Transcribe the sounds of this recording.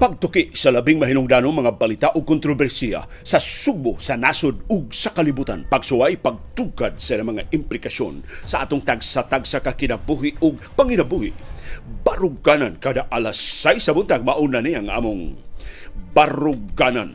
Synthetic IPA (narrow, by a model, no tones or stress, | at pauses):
pɐɡ̚t̪ʊkɪʔsɐlɐbɪŋmɐɦinʊŋd̪anoŋmɐŋabɐlit̪aʔʊɡ̚kʊnt̪ɾobɛɾsia̰ | sɐsʊɡ̚bʊsɐnasʊd̪ʊɡ̚sɐkalibuːt̪a̰npɐɡsʊwajpaɡ̚t̪ukad̪̚sɐlamɐŋaʔɪmplɪkaso̰nsɐʔa̰ːt̪ʊŋt̪aɡsat̪aɡsakakɪnabuɦiʔʊɡ̚pɐŋɪnabuhɪbaɾʊɡanankad̪aʔalasajsɐbʊnt̪aɡ̚maʔunaniɐŋʔa̰ːmʊŋ | baɾʊɡana̰n